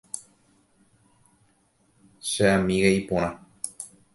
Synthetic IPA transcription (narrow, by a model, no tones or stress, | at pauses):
ʃeʔamĩɣeipõɾ̃ã